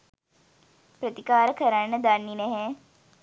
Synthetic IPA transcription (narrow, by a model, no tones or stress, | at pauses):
pɾət̪ikaːɾəkəɾanːəd̪anːinɛɦɛ